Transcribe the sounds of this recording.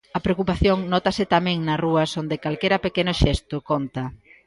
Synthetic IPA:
ɐpɾeokupaθjoŋnɔt̪ɐsɪt̪amẽŋnɐsruɐsond̪ɪkalkeɾɐpekenʊʃɛst̪ʊkont̪ɐ

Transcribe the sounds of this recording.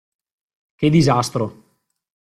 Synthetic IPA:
ked̪izast̪ɾo

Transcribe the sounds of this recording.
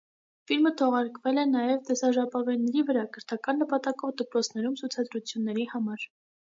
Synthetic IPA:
filmət̪ʰɔʁɑɾkvɛlɛnɑjɛvt̪ɛsɑʒɑpɑvɛjnːɛɾivəɾɑkʰəɾt̪ʰɑkɑnːəpɑt̪ɑkɔvd̪əpɾɔt͡sʰnɛɾumt͡sʰut͡sʰɑd̪ɾut͡sʰjunːɛɾihɑmɑɾ

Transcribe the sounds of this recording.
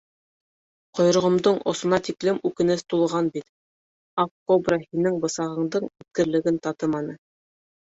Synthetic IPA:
qŏjɾɤ̆ʁɤ̆md̪ɤɴʔŏ̰sŏnɑt̪iklɘmʉkɘ̆nɘst̪ulˠʁɑnbit̪ | ɑfkobrɑhinɘŋbɤ̆sɑʁɤ̆ɴd̪ɤɴʉt̪̚kɘ̆ɾlɘ̆ɡɘnt̪ɑt̪ɤmɑnɤ

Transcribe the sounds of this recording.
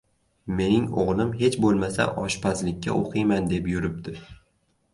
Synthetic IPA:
me̞nɪŋo̰ʁlˠɪmɦe̞t͡ʃbolˠmasa̰ʔɒʃpʰazlɪkʲːa̰ʔoqʰɨjmand̪e̞pjʊɾɪp̚d̪ʰɪ

